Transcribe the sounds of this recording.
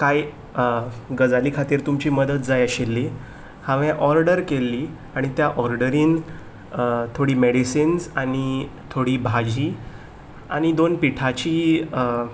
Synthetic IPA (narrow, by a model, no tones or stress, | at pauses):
kaj | ɡəd͡zaliːkʰat̪iːɾt̪umt͡ɕiːməd̪ət̪̚d͡zajəɕelːi | hãʋɛ̃ʔɔɾɖəɾkelːiː | aɽ̃it̪jaʔɔɾɖəɾiːn | t̪ʰoɽiːmeɽisinsaɽ̃it̪ʰoɽiːbʱad͡ʑʱiː | a̰ɽ̃id̪onpiʈʰat͡ɕiː